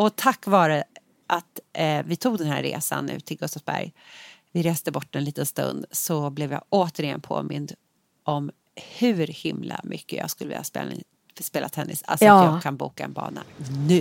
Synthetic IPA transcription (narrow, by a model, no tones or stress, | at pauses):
ɔt̪ʰakːvɑːɾə | ʔat̪vɪt̪ʰuːɡd̪ɛnɦæɾɾḛːsanːʉ̟ːt̪ʰɪlɡɵst̪afsbæɾjvɪɾeːst̪əbɔʈːɛnliːt̪ənst̪ɵ̰nd̪sɔblɛvjɑːʔoːt̪əɾɪjɛnpʰo̰ːmɪnd̪ | ʔɔm | hʉ̟ɾhɪmlamʏkːəjɑːɡskɵləvɪ̰lːaaspḛː | speːlat̪ʰːɛnːɪsalsajɑːkʰanbuːkaɛ̰nbɑ̰ːɳanʉ̟ː